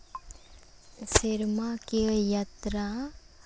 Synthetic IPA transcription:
sɪɾmakijat̪ɾa

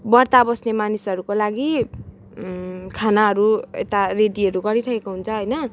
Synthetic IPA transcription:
bʌrt̪abʌsnemanisʌɾukolaɡi | kʰanaɦʌɾuḛt̪areɖiʌɾuɡʌɾiɾʰʌkekoɦunt͡sʰʌɦʌjnʌ

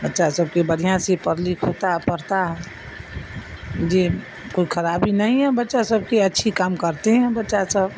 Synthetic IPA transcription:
bətːʃasəb̚kebəɾijãsepəɾlikʰot̪aɦpəɾt̪aɦɛ | d͡ʒe | koikʰəɾabinəɦĩɦɛbətːʃasəb̚keətːʃʰikamkəɾt̪eɦɛ̃bətːʃasəb

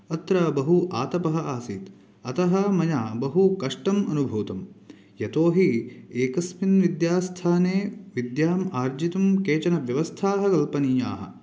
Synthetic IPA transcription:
ɐt̪ɾɐːbɐɦuʔaːt̪ɐpɐɦɐaːsit̪ | ɐt̪ɐɦɐmɐjaːbɐɦukɐʂʈɐmɐnubʱuːt̪ɐm | jɐt̪oːɦieːkɐsminʋid̪jaːst̪ʰaːneːʋid̪jaːmaːɾd͡ʒit̪ɐmkeːt͡ʃɐnɐʋjɐʋɐst̪ʰaːɦɐkɐlpɐniːjaːɦɐ̰̆

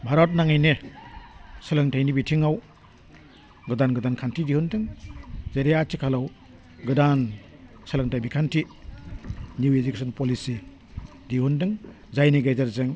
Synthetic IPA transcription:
bʱaɾɔt̬̚naŋajne | sɯlɯŋtʰajnibitʰiŋaw | ɡɯdanɡɯdankʰantʰidihundɯŋzeɾeatʰikʰalaw | ɡɯdan | sɯlaŋtʰajbikʰantʰi | njuwed͡ʒikesʰɔnpolisi | diɦundɯŋ | zajniɡajzaɾzɯŋ

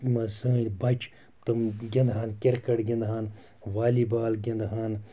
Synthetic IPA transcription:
mɐzɐnʲbɐt͡ʃ | t̪ɐmɡʲɐ̃nd̪ɦaːnkʲiɾkɐʈɡʲɐnd̪ɦaːn | ʋaːlibaːlɡʲɐnd̪ɦaːn

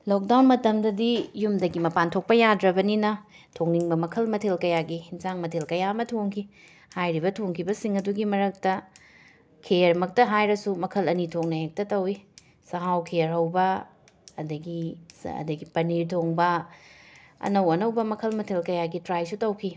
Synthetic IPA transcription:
lok̚dawnmɐtɐmdɐdijumdɐɡimɐpantʰok̚pɐjadɾɐbɐninɐ | tʰoŋniŋbɐmɐkʰɐlmɐtʰelkɐjaɡihinzaŋmɐtʰelkɐjamɐtʰoŋkʰi | hajɾibɐtʰoŋkʰibɐsiŋɐduɡimɐɾɐk̚tɐ | kʰeɾmɐk̚tɐɦajɾɐsumɐkʰɐlɐnitʰoŋ̚nɐhek̚tɐtɐwi | sɐɦawkʰeɾɦɐwbɐ | ɐdɐɡiɐ̰dɐɡipɐniɾtʰoŋbɐ | ɐ̰nɐwɐnɐwbɐmɐkʰɐlmɐtʰelkɐjaɡitɾajsutɐwkʰi

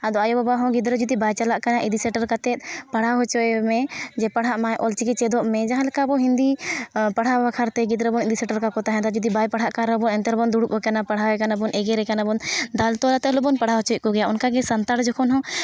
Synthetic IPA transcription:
ad̪ɔajɔbabaɦɔ̃ɡid̪ɾɔd͡ʒud̪ibajt͡ʃalaʔkanaʔid̪isɛʈəɾkat̪ɛt̪̚ˀpaɽ̤aɦɔt͡ʃɔɛmɛd͡ʒɛpaɽ̤aʔmajʔɔlt͡ʃikɛt͡ʃɛd̪ɔʔmɛd͡ʒaɦãlɛkabɔɦĩnd̪ipaɽ̤abakʰaɾt̪ɛɡid̪ɾɔbɔnid̪isɛʈəɾkakɔt̪aɦɛ̃d̪ad͡ʒud̪ibajpaɽ̤aʔkaɾɛbɔnɛnt̪ɛɾbɔnd̪uɽupɔkanapaɽ̤aɛkanabɔnʔɛɡɛɾɛkanabɔnd̪alt̪ɔlat̪ɛlɔbɔnpaɽ̤aɦɔt͡ʃɔkɔɡɛjaʔunkaɡɛsɐnt̪aɾd͡ʒɔkʰɔnɦɔ̃

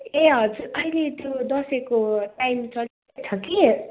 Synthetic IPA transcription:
eɦʌd͡zuɾʌilet̪jod̪ʌsekoʈajmt͡sʌli | t͡sʰʌki

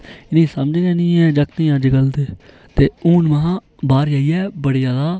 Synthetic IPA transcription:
ɪnĩːsəmd͡ʒd͡ʒɛːnĩːɛːd͡ʒəkt̪ĩːãːd͡ʒəɡəld̪eː | t̪eːuːnməɦãː | baːɾd͡ʒaːiːɛːbəɽijaːd̪aː

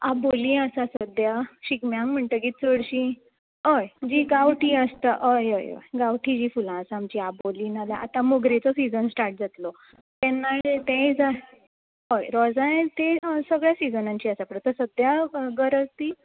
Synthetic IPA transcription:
abolĩːəsasəd̪jaɕikmjaŋɡm̤əɳt̪əɡiːt̪̚səɽɕĩ | əjd͡ʑiːɡaʋʈiːəst̪aʔəjə̰jə̰jɡaʋʈʰiːd͡ʑiːfulãəsaːmt͡ɕiaboliːnalaʔa̰t̪ãmoɡɾet͡sɔsid͡zənsʈaɾʈ̚d͡zat̪lɔ | t̪ɛnːat̪ẽd͡za | ɦojɾɔd͡zat̪esəɡɭjasid͡zənãɲt͡ɕiːəsapəɳt̪əɾsəd̪jaɡəɾəd͡zt̪iː

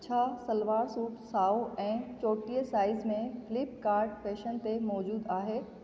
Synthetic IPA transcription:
t͡ɕʰasɐlʋaːɾsuːʈsaːoɛ̃ːt͡ɕoːʈijəsaːɪzmẽfɪlɪp̚kaːɾɖfeːʃənt̪emɔːd͡ʑuːd̪aːɦeː

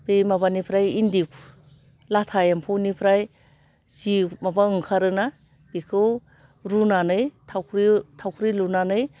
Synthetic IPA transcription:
bemabanipʰɾajindikʰ | latʰajampʰuwnipʰɾaj | simabaɯŋkʰaɾɯna | b̥ikʰɯw | ɾunanɯjtʰawkʰɾitʰawkʰɾilunanɯj

